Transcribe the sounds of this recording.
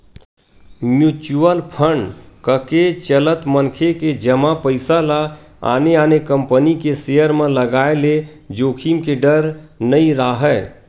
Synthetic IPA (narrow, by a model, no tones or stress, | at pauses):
mjut͡ʃuəlpʰəɳɖkəket͡ʃələt̪mənkʰeked͡ʒəmapəɪsala | a̰ːneaːnekəmpənikesejəɾmẽləɡaele | d͡ʒoːkʰimkeɖəɾnəiɾaɦɛ